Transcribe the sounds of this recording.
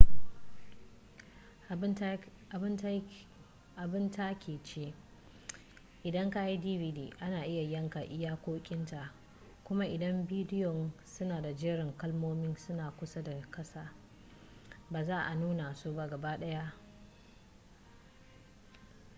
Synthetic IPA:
ʔa˨bɪ˦nta˦kʲʰeː˨t͡ʃeː˦ | ʔɪ˨dɐ˦ŋka˦i˦diː˦vi˨diː˨ʔa˦naː˨ʔɪ˦ja˨jɐ˦ŋka˨ʔɪ˦jaː˦kʷoː˦kʲʼɪ˦nta˨ | kʷʊ˦ma˦ʔɪ˨dɐ˦mbiː˦dɪ˦jɔ˨nsʊ˦naː˨da˨d͡ʒɛː˦ɾɪ˨ŋkɐ˦lmoː˦mɪ˦nsʊ˦naː˨kʷʊ˦sa˦da˨kɐ˦saː˨ | baː˨zaː˦ʔa˨nuː˦na˨soː˦ba˦ɡɐ˨baː˦ɗɐ˦ja˦ʔ

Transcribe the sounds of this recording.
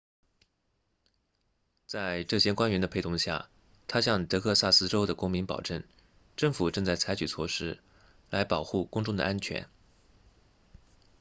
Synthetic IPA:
t͡sa˥˧ɪʈ͡ʂɤ˥˩ɕjɛ˥kwa˥nɥɛ˧˥nd̪ə˧pʰe˥˩ɪʊ˧˥˧ŋɕja̰˥˩ | t̪ʰa˥ɕjɑ˥˧ŋt̪ɤ˧˥kʰɤ˥˧sa˥˩sɹ̩˥ʈ͡ʂo˥ʊd̪ə˨kʊ˥ŋmi˧˥npɑ̰˨˩ʊʈ͡ʂɤə˥˩ŋ | ʈ͡ʂɤ˥˩ŋfu˨˩ʈ͡ʂɤ˥˧ŋt͡sa˥˩ɪt͡sʰa˧˥ɪt͡ɕʰy˨˩t͡sʰwɔ˥˩ʂɻ̩˥ | la˧˥ɪpɑ˨˩ʊxu˥˩kʊ˥ŋʈ͡ʂʊ˥˩ŋd̪ə̰˩ʔa˥nt͡ɕʰɥɛ̰˧˥n

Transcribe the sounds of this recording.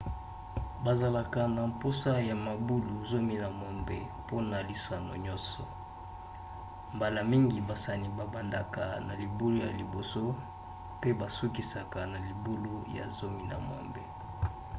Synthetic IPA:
ba˨za˨la˨ka˨na˨mpo˦sa˦ja˨ma˨bu˦lu˨zo˦mi˦na˨mɔ˨mbe˨ | po˦na˨li˨sa˨no̰˨ɲɔ˦nsɔ˨ | mba˨la˨mi˦ŋɡi˨ba˨sa˨ni˨ba˨ba˨nda˨ka˨na˨li˨bu˦lu˦ja̰˨li˨bo˨so˦ | pe˦ba˨su˦ki˨sa˨ka˨na˨li˨bu˦lu˦ja̰˨zo˦mi˦na̰˨mɔ̰˨mbḛ˨

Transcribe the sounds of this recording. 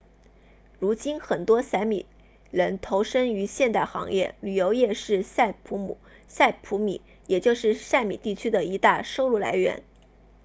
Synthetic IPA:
ɻu˧˥t͡ɕi˥nxə˨˩nt̪wɔ˥sa˧˥ɪmḭ˨˩ | ɻə˧˥nt̪ʰo˧˥ʊʂə˥ŋy˧˥ɕjɛ˥˧nt̪a˥˩ɪxɑ̰˧˥ŋjɛ̰˥˩ly˨˩jo˧˥ʊjɛ˥˧ʂɻ̩˥˧sa˥˩ɪpʰu˧˥mṵ˨˩˦ | sa˥˩ɪpʰu˧˥mḭ˨˩˦ | jɛ˨˩t͡ɕjo˥˧ʊʂɻ̩˥˧sa˥˩ɪmi˨˩t̪i˥˩t͡ɕʰy˥d̪ə˨i˧˥t̪a˥˩ʂo˥˧ʊlu˥˩la̰˧˥ɪɥɛ̰˧˥n

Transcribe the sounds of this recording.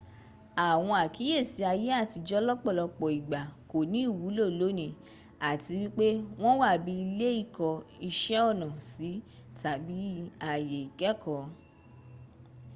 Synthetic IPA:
a˨w̃ɔ̃˧a˨ki˨˦je˦˨si˨˦a˧je˦a˦˨ti˧d͡ʒɔ˦lɔ˦k͡pɔ˦˨lɔ˧k͡pɔ˨i˨ɡ͡ba˨ko˨nĩ˨˦i˦˨wu˨˦lo˦˨lo˨˦nĩ˦˨ | a˨ti˧wi˦k͡pe˦w̃ɔ̃˦wa˦˨bi˧i˧le˦i˦˨kɔ˧i˧ʃɛ˦ɔ˦˨nã˨si˨˦ | ta˨bi˨˦a˨je˨i˨kɛ˦kʰɔ˨˧˦

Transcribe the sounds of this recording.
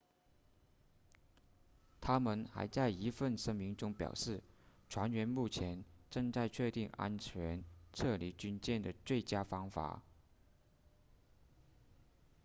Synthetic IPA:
t̪ʰa˥mə˨nxa̰˧˥ɪt͡sa˥˩ɪi˧˥fə˥˩nʂə˥ŋmi˧˥ŋʈ͡ʂʊ˥ŋpjɑ̰˨˩ʊʂɻ̩˥˩ʈ͡ʂʰwa˧˥nɥɛ˧˥nmu˥˩t͡ɕʰjɛ˧˥nʈ͡ʂɤ˥˧ŋt͡sa˥˧ɪt͡ɕʰɥɛ˥˧t̪i˥˩ŋa̰˥nt͡ɕʰɥɛ˧˥nʈ͡ʂʰɤ˥˩li˧˥t͡ɕy˥nt͡ɕjɛ˥˩nd̪ə˩t͡swe˥˩ɪt͡ɕja˥fɑ˥ŋfa̰˨˩˦

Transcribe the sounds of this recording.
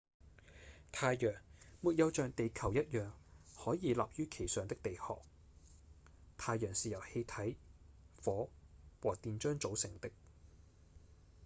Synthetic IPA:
t̪ʰaː˧jjœː˨˩ŋmuː˨t̚jɐ˨˧wt͡ʃœː˨˧ŋt̪e˨jkʰɐ˨˩wjɐ˥t̚jœː˨˩ŋhɔː˨˥jiː˨˧laː˨p̚jyː˥kʰe˨˩jsœː˨ŋt̪ɪ˥k̚t̪e˨jhɔ̰ː˨˩k̚ | t̪ʰaː˧jjœː˨˩ŋsiː˨jɐ˨˩whe˧jt̪ʰɐ˨˥j | fɔː˨˥wɔː˨˩t̪iː˨nt͡ʃœː˥ŋt͡so˨˥wsɪ˨˩ŋt̪ɪ˥k̚

